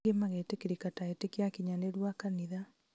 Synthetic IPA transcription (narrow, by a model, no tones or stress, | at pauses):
emaɣetekiɾikataetekiakiɲaneɾwakaniða